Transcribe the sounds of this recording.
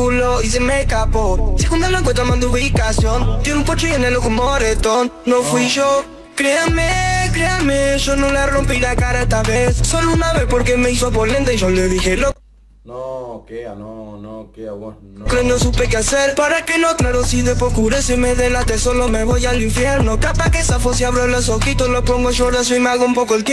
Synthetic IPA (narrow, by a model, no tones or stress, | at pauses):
uloisemekaposekund̪alaŋk̬went̪amãnd̪ouβikasjo̞nt̪jenumpot͡ʃojenelokomoɾet̪onːofwiʒo | kɾeameklameʒonũlarompilakaɾaest̪aβesːolounaβespo̞ɾkemeis̬oβolent̪eʒoleðixelo | noke | keklɾenosupekeaseɾpaɾake̞no̞klaɾosiðepokuɾesemeðelat̪esolome̞βojaliɱfjeɾnokapakesafosjaβɾolos̬oxit̪olopoŋɡoʃoɾðas̬imealɣoumpokoelt̪